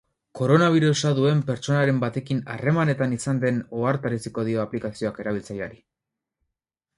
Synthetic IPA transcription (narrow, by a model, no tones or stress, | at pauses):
ko̞ɾo̞naβ̞iɾusaðue̞mpe̞ɾt͡ʃo̞naɾe̞mbat̪e̞kina̰re̞mane̞t̪anisand̪e̞no̞aɾt̪aɾesiko̞ð̞io̞aplikasio̞ake̞ɾaβilt͡sajaɾi